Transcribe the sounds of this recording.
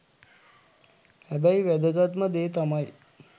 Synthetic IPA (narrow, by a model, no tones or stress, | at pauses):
hæbæjʋæd̪əɡat̪məd̪eːt̪amaj